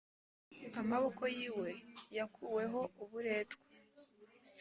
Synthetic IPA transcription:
amaβo̞kojiːwe̞jakʰuwe̞ɦo̞uβuɾe̞ːtɡwe̥

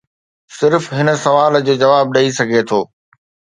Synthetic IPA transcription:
sɪɾfɦɪnə̆sɐʋaːld͡ʑoːd͡ʑɐʋaːb̚ɗɐisɐɡʱet̪ʰoː

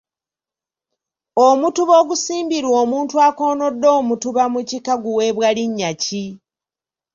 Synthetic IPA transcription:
omutuβo̞ːɡusiːmbiɾwo̞ːmuːntuako̞ːno̞dːo̞ːmutuβamucikaɡuwe̞ːβwaliɲːaci

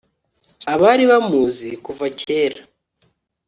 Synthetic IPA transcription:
aβaɾiβamuːzikuvacʰeːɾa

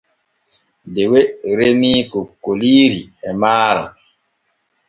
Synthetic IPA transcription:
deweɾemiːkokoliːɾiɛmaːɾa̰

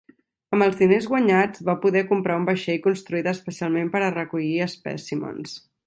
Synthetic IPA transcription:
əmbəlˠzðinezɣwəɲad͡zβapuðɛkumpɾaumbəʃɛjkunst̪ɾuit̪əspəsialˠmempəɾərəkuʎiəspɛ̰simo̰ns

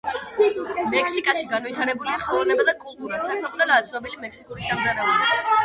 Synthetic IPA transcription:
mɛkʰsikʼaʃiɡanvit̪ʰaɾɛbuliaχɛlˠɔvnɛbad̪akʼulˠt̪ʼuɾasakʰmɛqʼnɛlaːt̪sʰʼnɔbɛlimɛkʰsikʼuɾisamzaɾɛɔba

